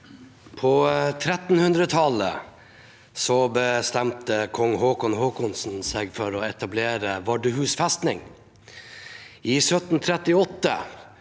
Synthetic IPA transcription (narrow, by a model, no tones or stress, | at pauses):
pʰoːt̪ʰɾɛt̪n̩hʉnd̪ɾət̪ʰɑlə̰ | sɔbəst̪ɛmt̪əkʰɔŋhoːkɔnhoːkʊnsn̩seɡfɔɾoːɛt̪ɑbleːɾəʋɑɖəhʉːsfɛst̪nɪ̰ŋ | ʔiːsœt̪nt̪ʰɾɛt̪ɪɔt̪ːə̰